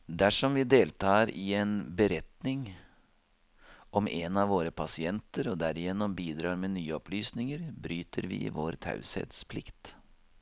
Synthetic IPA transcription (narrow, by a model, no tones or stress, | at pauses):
d̪æʂɔmʋɪd̪eːlt̪ʰɑːɾɪɛnbəɾɛt̪nɪŋ | ʔɔmʔenɑʋoːɾəpʰɑsɪɛnt̪əɾɔd̪æɾɪjɛnːɔmbiːd̪ɾɑːɾmenyːəɔpʰlyːsnɪŋəɾbɾyːt̪ʰəɾʋɪ̰ʋoːɾt̪ʰɑ̰ʉsɛ̰t̪spʰlɪkt̪